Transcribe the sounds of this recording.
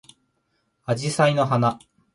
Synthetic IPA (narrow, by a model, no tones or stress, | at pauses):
ad͡ʑisaino̞ɦana